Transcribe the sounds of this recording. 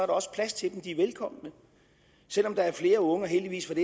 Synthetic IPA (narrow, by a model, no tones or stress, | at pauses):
ɒ̽ɐɾɑɒ̽sə̥pʰlæst͡sʰe̝d̥emd̥iʋelkʰɒ̽m̰nə | sel̰ɒ̽md̥ɑ̈æɐfle̝ːɐɔ̽ŋəɒɦeld̥iʋḭːsfɒd̥e